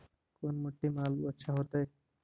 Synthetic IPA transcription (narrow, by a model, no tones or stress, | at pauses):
konmoʈːimaluoʃʰaɦot̪e